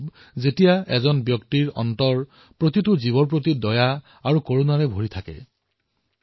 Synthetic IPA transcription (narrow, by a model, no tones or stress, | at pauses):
b | zetijaɛ̰zɔnbjɔktiɹɔ̰ntɔɹ | pɹotitʊziβɔnp̬ɹot̬idɔja | aɹukoɹunaɹɛbʱoɹitʰakɛ̰